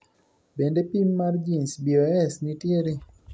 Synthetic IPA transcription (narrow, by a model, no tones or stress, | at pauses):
bendepimːard͡ʒinsbiɔɛsnitjeɾi